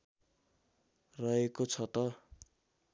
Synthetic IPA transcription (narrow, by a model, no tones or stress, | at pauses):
rʌɦekot͡sʰʌt̪ʌ